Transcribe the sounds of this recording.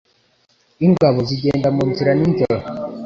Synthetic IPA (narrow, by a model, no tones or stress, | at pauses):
iŋɡaβoziɟeːndamunziɾaninzola